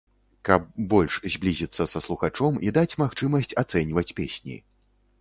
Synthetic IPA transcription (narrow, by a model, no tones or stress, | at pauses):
kɐb̚ːɔlʲʂzʲblʲizʲit̪sːɐsɐslˠuxat͡ʂɔmid̪at͡sʲmaxt͡ʂɨmɐsʲt͡sʲat̪sɛnʲvɐt͡sʲpʲesʲnʲḭ